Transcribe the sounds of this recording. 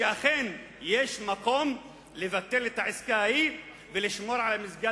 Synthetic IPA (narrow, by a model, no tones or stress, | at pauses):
eaχen | jeʃmako̞m | levat̪ːe̞let̪aʕiskai | veliʃmo̞ɾʕalamizɡa